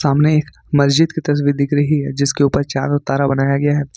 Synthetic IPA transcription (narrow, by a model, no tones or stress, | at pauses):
saːmneeːk | mɐsd͡ʒɪd̪kit̪ɐɾəsʋid̪ɪkɾɐɦiɦɛːd͡ʒɪskeuːpəɾt͡ʃa̰ːɾʊt̪ːaːɾabɐnaːjaɡɐjaɦɛː